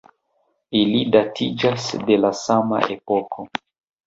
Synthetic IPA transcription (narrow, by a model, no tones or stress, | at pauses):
ilidatʰid͡ʒasde̞lasama̰ʔe̞pokʰo